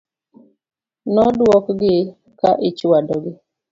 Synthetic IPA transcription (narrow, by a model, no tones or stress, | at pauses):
nɔdwɔkɡɪ | kaʔɪt͡ʃwadɔɡɪ